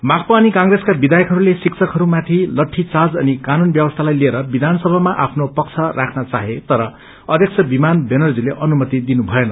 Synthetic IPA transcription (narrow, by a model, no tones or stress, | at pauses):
makʰpanikãŋreskabid̪ajʌkɦʌɾulesiksʰʌkɦʌɾumat̪ʰilʌʈʰːit͡sad͡zʌnikanunbjʌbʌst̪ʰalajlieɾʌbid̪ʱansʌbʱamaʔapʰnopʌkt͡sʰʌrakʰnʌt͡saɦet̪ʌɾʌ | ʌd̪ʱjʌk̚t͡sʰʌbimanbenʌrd͡zileʔʌnumʌt̪id̪inubʱʌenʌ